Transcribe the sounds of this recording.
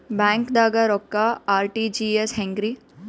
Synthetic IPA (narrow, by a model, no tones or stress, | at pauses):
bɛ̃ːŋkd̪aːɡaɾɔkːaaːɾʈid͡ʒieshɛ̃ŋɡɾi